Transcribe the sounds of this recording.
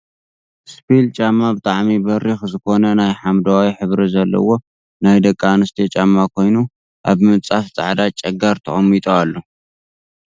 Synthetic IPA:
spʰilt͡ʃʼamːabɨt̪ʼaʕmibɐɾixzɨko̞nɐnajħamd̪awawiħɨβɾizɐlːɐ̰wo̞ | najd̪ɐkʼːanɨst̪ʰet͡ʃʼamːakʰo̞jnu | ʔaβmɨt͡sʼaft͡sʼa̰ʕd̪at͡ʃʼɐɡaɾt̪ʰɐχʼɐmːit̪ʼoalːo

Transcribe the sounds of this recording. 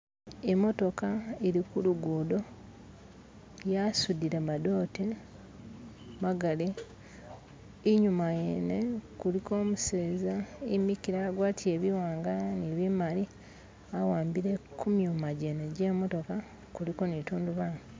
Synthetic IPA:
emːo̞to̞kaeɾikuluɡuːdo̞ | jasudiɾemado̞ːte | maɡale | iɲumajenekuliko̞ːmuse̞ːzaimikiɾaɡwaːtije̞βiwaːŋɡaneβimali | awaːmbiɾe̞kʰumjumaɟeneɟemo̞to̞ka | kulikonituːnduβaːni

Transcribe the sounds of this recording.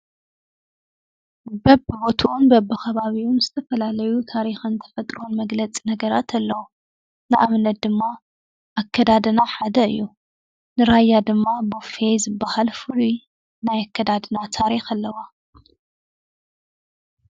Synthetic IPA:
bɐbɨbot̪ʰuʔunbɐbːɨxɐβaβiunzɨt̪ʰɐfɐlalɐjut̪ʰaɾixɐnt̪ʰɐ̥fɐt̪ʼɾonmɐɡlɐt͡sʼinɐɡɐɾat̪ʰɐlːɐwu | nɨʔaβnɐt̪̚d̪ɨmːa | ʔakʰːɐd̪ad̪ɨnaħad̪ɐɨ̰jːu | nɨɾajːad̪ɨmːabofejzɨbːahalfɨli | najakʰːɐd̪ad̪ɨnat̪ʰaɾixalːɐwa

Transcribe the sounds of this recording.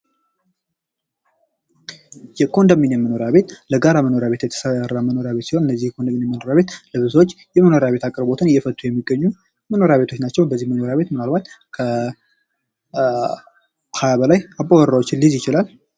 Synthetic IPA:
jɛkʰo̞nd̪əminjɛməno̞ɾjaβe̞t̪ləɡaɾaməno̞ɾjaβe̞t̪jɛt̪ʰə̥sərːaməno̞ɾjaβet̪siho̞nɨnːəzːihjkʰond̪əmːinjɛməno̞ɾjaβet̪lɨβɨzot͡ʃː | jɛməno̞ɾjaβe̞t̪akʼɨɾbo̞t̪ʰɨnɨjːɛfət̪ʼːujɛmːiɡːəɲːu | məno̞ɾjaβe̞t̪ʰot͡ʃːnat͡ʃːɛwbəzːihməno̞ɾjaβe̞t̪mɨnalbat̪ | kʰə | hajaβəlajapʼːowəɾːawt͡ʃːɪlːizjɪt͡ʃɪlal

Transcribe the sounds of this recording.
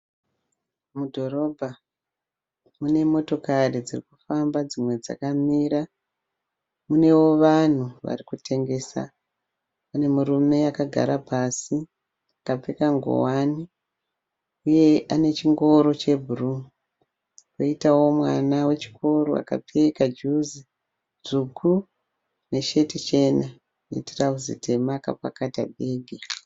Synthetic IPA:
mudʱo̞ɾo̞bʱa | mune̞mo̞to̞karid͡zirikufambad͡zimwe̞d͡za̰kamiːɾa | mune̞wo̞ʋan̤uʋa̰rikutʰe̞ŋɡe̞ːsa̰ | ne̞murume̞akaɡʱa̰ɾapasi | akap͡fekaŋɡo̰wani | uje̞ʔane̞t͡ʃiŋɡo̞ɾo̞t͡ʃebʱuru | roitawo̞mwa̰nawe̞t͡ʃi̥kʰo̞ɾo̰a̰ka̰pʰe̞kad͡ʒuzi | d͡zukʰu | ne̞ʃe̞tit͡ʃe̞na | nḛtirauzḭtʰe̞maka̰pa̰kata̰bʱeːɡʱi

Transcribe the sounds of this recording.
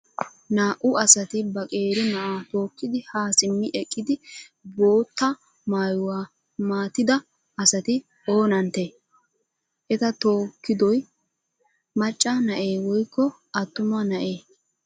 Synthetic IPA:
naːʔʊɐsɐt̪ɪbɐkʼe̞ːɾɪnɐʔaːt̪o̞ːkːɪd̪ɪhaːsɪmːɪʔɛkʼːɪd̪ɪbo̞ːt̪ːɐ | maːjʊwaː | maːt̪ɪd̪ɐ | ʔɐsɐt̪ɪ | o̞ːnɐnt̪ːeː | ʔɛt̪ɐt̪o̞ːkːɪd̪ɔj | mɐt͡ʃʼːanɐʔeːwɔjkːɔ | ʔɐt̪ːʊmanɐʔeː

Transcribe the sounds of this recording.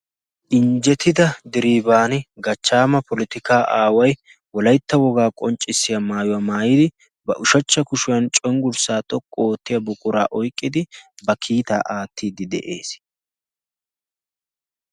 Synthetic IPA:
ʔɪnd͡ʒɛt̪ɪd̪ɐd̪ɪɾiːbaːnɛɡɐt͡ʃːaːmɐpɔlɪt̪ɪkaːʔaːwɐj | wɔlɐjt̪ːɐwɔɡaːkʼɔnt͡ʃʼːɪsːɪjɐmaːjʊwamaːjiːd̪ɪ | bɐ̰ʔʊʃɐt͡ʃːɐkʊʃʊjɐnt͡ʃʼɔjŋɡʊɾsaːt̪ʼɔkʼːoːt̪ːɪjɐbʊkʼʊɾa̰ːʔɔjkʼːɪd̪ɪbɐkʰiːt̪a̰ːʔaːt̪ʰːiːd̪ɪd̪ɛ̰ʔe̞̰ːs

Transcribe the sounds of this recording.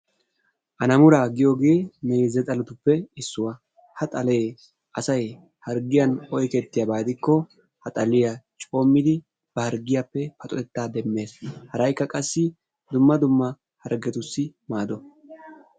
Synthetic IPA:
ʔɐnɐmʊɾaːɡɪjoːɡe̞ːmeːzɛt̪ʼɐlʊt̪ʊpːɛɪsːʊwɐ | hɐt̪ʼɐle̞ː | ʔɐsɐj | hɐɾɡɪjɐnɔjkɛt̪ːɪjabaːd̪ɪkːɔ | hɐt̪ʼɐlɪjɐt͡ʃʼoːmːɪd̪ɪ | b̥ɐhɐɾɡɪjapːɛpɐt̪ʼɔt̪ɛt̪ːaːd̪ɛmːe̞ːshɐɾɐjkːɐkʼɐsːɪ | d̪ʊmːɐd̪ʊmːɐ | hɐɾɡɛt̪ʊsːɪmaːd̪ɔ

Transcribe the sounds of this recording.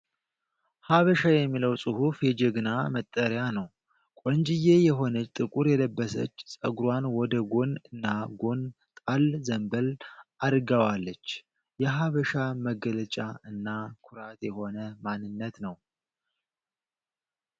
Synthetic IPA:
haβəʃajɛmːiləwsʼɨhufjɛd͡ʒɛɡnamət̪ʼːəɾjanəw | kʼɔnd͡ʒɪjejɛɦo̞nət͡ʃt̪ʼɨkʼuɾjɛləbːəsə̰t͡ʃːsʼə̰ɡɾwanwɔd̪əɡo̞nɨnːaɡo̞n | t̪ʼalzəmbəlʔad̪ɡəwalːət͡ʃː | jɛɦaβəʃaməɡələt͡ʃʼaɨnːakʰʊɾat̪jɛho̞nəmanːɨnːət̪nəw

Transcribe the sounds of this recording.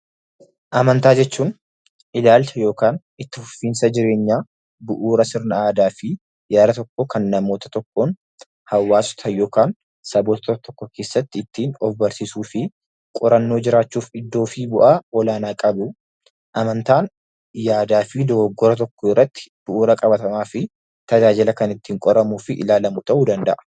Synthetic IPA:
ʔɐmɐnt̪aːd͡ʒɛt͡ʃːuːn | ʔɪlaːlt͡ʃɐjo̞ːkaːn | ɪt̪ːɪfʊfːiːnsɐd͡ʒɪɾe̞ːɲːaː | bʊʔuːɾɐsɪɾnɐaːd̪aːfɪ | jaːd̪ɐt̪ɔkːɔkɐnːɐmo̞ːt̪ɐ̥t̪ɔkːoːn | hɐwːaːsʊ̥t̪ʰɐjo̞ːkaːn | sɐboːt̪ɐt̪t̪ɔkːɔkʰe̞ːsːɐt̪ːɪɪt̪ːiːnɔfbɐɾsɪsuːfɪ | kʼɔɾɐnːo̞ːd͡ʒɪɾaːt͡ʃːuːfɪd̪ːo̞ːfiːbʊʔaːɔlaːnaːkʼɐbʊ | ʔɐmɐnt̪aːn | jaːd̪aːfɪd̪ɔɡɡːɔɾɐt̪̬ɔkːɔɪrːɐt̪ːɪ̥b̥ʊʔuːɾɐkʼɐbɐt̪ɐmaːfɪ | t̪ɐd͡ʒaːd͡ʒɪlɐkɐnɪt̪ːiːŋkʼɔɾɐmuːfɪʔɪ̰laːlɐmʊt̪ɐʔud̪ɐnd̪ɐ̰ʔɐ̥

